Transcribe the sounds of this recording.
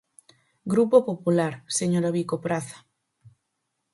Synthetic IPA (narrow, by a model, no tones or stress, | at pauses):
ɡɾupopopulaɾseɲoɾaβikopɾaθḁ